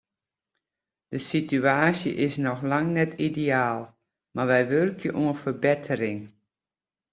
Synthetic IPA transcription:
d̥əsityaːsjə̰ʔɪsnɔxlaŋnɛtʰideaːlˠ | maʋɛjʋørkʰjəʔuənfərbɪtʰəɾɪŋ

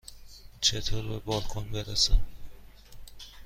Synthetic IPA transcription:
t͡ʃʰet̪ʰoːɾbebɒːlkʰonbeɾesæ

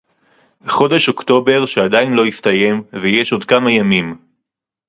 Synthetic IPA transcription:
beχo̞deʃo̞kt̪o̞be̞ʁʃead̪ainlo̞ist̪aje̞mvejeʃo̞d̪kamajamim

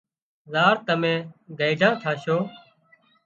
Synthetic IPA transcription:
zaːɾt̪əmẽːɡəːd͡ʒãːt̪ʰaːʃoː

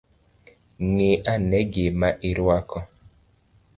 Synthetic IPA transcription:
niʔanɛɡemaʔiɾuakɔ

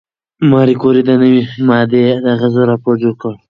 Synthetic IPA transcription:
mɑɾikoɾid̪ənəwimɑd̪ed̪əɣəzəɾɑpoɾd͡ʒokəl

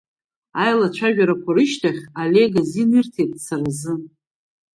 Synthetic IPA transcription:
ajlat͡ʃʷʰaʒᶣaɾakʷʰaɾɨʃtʰaχʲale̞ɡazinɨrtʰejt̚t͡sʰarazɨ

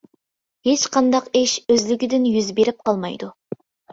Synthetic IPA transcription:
het͡ʃqʰɑnd̪ɑqeʃøzlɪɡʲɪd̪ɪnjyzbeɾɪp̚qʰɑlˠmɑ̰jd̪u

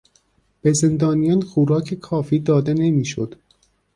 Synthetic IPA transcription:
b̥eze̞nd̪ɒːnijɒnxuːɾɒːcʰekʰɒːfiːd̪ɒːd̪e̞ne̞miːʃo̰d̪̥

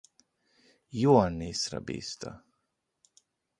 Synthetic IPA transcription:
juɔnːisɾa̰bḭːst̪a̰

